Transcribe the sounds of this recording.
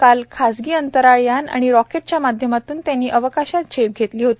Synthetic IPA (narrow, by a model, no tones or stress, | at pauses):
kalkʰasɡiːənt̪əɾaɭjana̰ɽ̃iɾɔkeʈ̚t͡ɕjamad̪ʱjəmat̪uːnt̪janːiːʔəʋəkaɕat̪̚d͡ʑʰep̚ɡʱet̪liːɦot̪iː